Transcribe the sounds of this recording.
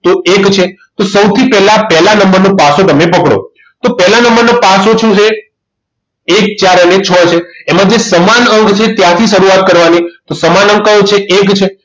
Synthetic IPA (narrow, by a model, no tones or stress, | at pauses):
t̪oekt͡ʃʰet̪osəwt̪ʰipɛɦlapɛɦlanəmbəɾnopasot̪əmepəkɽo̰ | t̪opɛlanəmbəɾnopasot͡ʃʰũt͡ʃʰe | ek̚t͡ʃaɾənet͡ʃʰɔt͡ʃʰeːmãd͡ʒesəmanəŋɡt͡ʃʰet̪jãt̪ʰiʃəɾuat̪̚kəɾʋanit̪osəmanəŋɡkə̃t͡ʃʰeʔekt͡ʃʰe